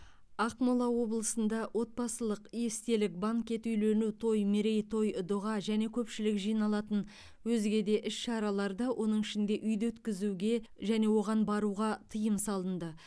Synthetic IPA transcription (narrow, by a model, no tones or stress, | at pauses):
ɑqmolˠɑwo̞blˠəsənd̪ɑwʔo̞t̪̚pɑsəlˠəqijest̪e̞lɪk̚baŋkʲe̞t̪ʏjlenut̪ʰo̞jmeɾe̞jt̪ʰo̞jd̪ʊʁɑʒæne̞kʲʰɵpʃɪlɪkʒijnɑlˠɑt̪ən | wɵzɡʲe̞d̪e̞ʔɪʃʃɑɾɑlˠɑɾd̪ɑwʔo̞nəɴɪʃɪnd̪e̞ʔʏjd̪ɵt̪kʲɪzuɡʲe̞ | ʒæne̞wo̞ʁɑnbɑɾuʁɑt̪ʰəjəmsɑlˠənd̪ə